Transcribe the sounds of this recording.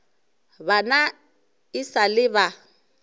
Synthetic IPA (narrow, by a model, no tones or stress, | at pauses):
bana | ɪsalɪβa